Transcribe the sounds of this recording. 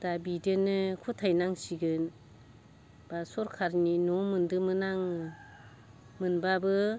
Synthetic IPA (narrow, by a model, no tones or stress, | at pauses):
d̥abidɯnɯkʰutʰajnaŋsiɡɯn | b̥asɔɾkʰaɾninɔmɯndɯmɯnaŋ | mɯnbabɯ